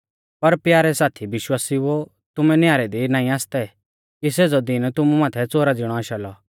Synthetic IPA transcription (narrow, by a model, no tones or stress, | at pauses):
pɐɾpjaːɾɛsaːt̪ʰiʋɪʃwaːsiʋo | t̪ʊmɛnjaːɾɛd̪inãːĩaːst̪ɛ | kiseːd͡zɔd̪ɪnt̪ʊmumãːt̪ʰɛt͡soːɾad͡zɪɽ̃ɔaːʃalɔ